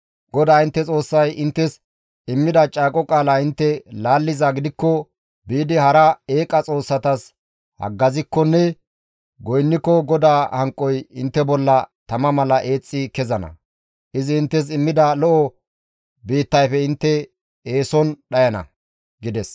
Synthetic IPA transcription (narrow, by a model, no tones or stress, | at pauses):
ɡɔd̪aːɪnt̪ːɛt͡sʼo̞ːsːɐjɪnt̪ːɛs | ɪmːɪd̪ɐt͡ʃʼaːkʼɔkʼaːlaːɪnt̪ːɛlaːlːɪzaɡɪd̪ɪkːɔ | biːd̪ɪhɐɾɐeːkʼɐt͡sʼo̞ːsːɐt̪ɐs | hɐ̰ɡːɐzɪkːɔnːɛ | ɡɔjnːɪkːɔɡɔd̪aːhɐŋkʼɔjɪnt̪ːɛbɔlːɐt̪ɐmɐmɐlɐʔe̞ːt͡sʼːɪkɛzɐnɐ̰ | ʔɪzɪːnt̪ːɛs̬ɪmːɪd̪ɐlɔʔɔ | biːt̪ːɐjfɛɪnt̪ːɛ | eːsɔnɗɐjɐnɐ̰ | ɡɪd̪ɛs